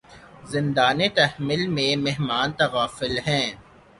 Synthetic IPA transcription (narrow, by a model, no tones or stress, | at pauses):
zɪ̃nd̪aːnet̪ɐɦmɪlmẽmeɦmaːnt̪ɐɣaːfɪlɦɛ̃ː